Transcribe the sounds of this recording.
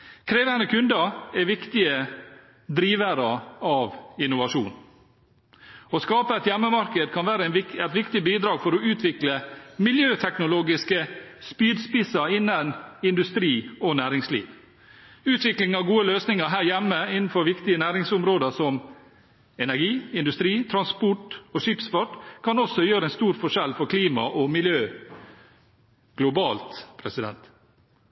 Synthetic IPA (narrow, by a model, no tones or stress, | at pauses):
kʰɾeːʋənəkʰʉnd̪əɛʋɪkt̪ɪə | d̪ɾiːʋəɾəɑʋɪnʊʋɑʂuːn | ɔskɑːpəɛt̪jɛmːəmɑɾkəd̪kʰɑnʋæːɾəɪɛt̪ʋɪkt̪ɪbiːd̪ɾɑːɡfɔɾɔʉːt̪ʰʋɪkləmɪljøːt̪ʰɛknʊloːɡɪskəspyːd̪spɪsɑɾɪnːənɪnd̪ʉst̪ɾiːɔnæːɾɪŋslḭːʋ | ʉːt̪ʋɪklɪŋɑʋɡuːəløːsnɪŋəɾɦæːɾjæmːəɪnn̩fɔɾʋɪkt̪ɪənæːɾɪŋsʊmɾoːd̪əsɔm | ɛnæɾɡiːɪnd̪ʉst̪ɾiːt̪ʰɾɑnspʊʈoːʂipsfɑʈkʰɑnɔsːɔjøːɾəɛnst̪uːɾfɔʂɛlfɔɾkʰliːmɑ̰ʔɔmɪljøː | ɡ̥lʊbɑːlt̪pʰɾɛsɪd̪ɛ̰nt̪